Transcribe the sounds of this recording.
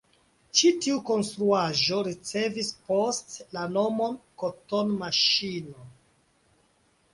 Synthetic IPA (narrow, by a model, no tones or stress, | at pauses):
t͡ʃitiuko̞nstɾuaʒo̞ɾit͡se̞vispostlano̞mo̞nkotonmaʃino